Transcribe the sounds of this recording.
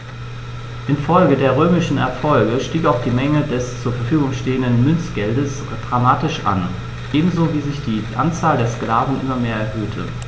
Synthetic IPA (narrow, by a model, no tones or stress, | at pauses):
ʔɪnfɔlɡədeːɐʁ̞øːmɪʃn̩ɛ̰ɐfɔlɡəʃtiːkaʊxd̥iːmɛŋədɛst͡suːɐfɛɐfyːɡʊŋʃteːəndənmʏnt͡sɡ̥ɛldəs | d̥ʁamaːtɪʃʔa̰n | ʔeːbm̩zoviːzɪçd̥iːʔa̰nt͡saːldeːɐsklaːvn̩ʔɪ̰mɐmeːɐɛɐhøːtʰə̰